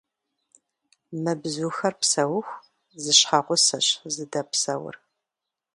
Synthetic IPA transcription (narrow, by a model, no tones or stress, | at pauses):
mɐbzuxɐrpsɐwʊxʷ | zɨɕħaʁʷʊsɐɕzɨdɐpsɐwʊ̰r